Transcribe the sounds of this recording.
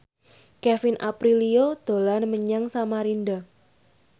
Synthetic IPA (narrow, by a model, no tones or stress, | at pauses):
kɛfɪnʔapɾiliod̪̥o̤lanməɲaŋsamaɾinda